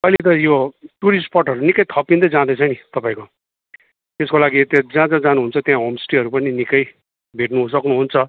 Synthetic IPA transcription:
ʌjlet̪ʌjoʈuɾisʈpʌʈʌɾunikʌjt̪ʰʌpind̪ʌd͡zãd̪et͡sʰʌnit̪ʌpãĩko | t̪eskolaɡit̪jãd͡zãd͡zãd͡zanuɦunt͡sʰʌt̪jãɦomsʈiɦʌɾupʌninikʌj | bʱeʈnus̬ʌknuɦunt͡sʰʌ

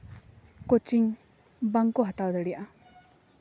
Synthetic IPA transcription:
kot͡ʃiŋ | baŋkoɦat̪awd̪əɽijaʔa

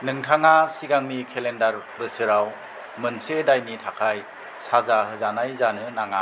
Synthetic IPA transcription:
nɯŋtʰaŋasiɡaŋnikʰelendaɾ | bɯsɯɾaw | mɯnsedajnitʰakʰaj | sazaɦɯzanajzanɯnaŋa

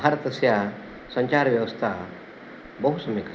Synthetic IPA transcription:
aɾət̪ɐsja | sə̃ɲt͡ʃaɾʋjɐʋəst̪ʰa | bəɦusɐmeka

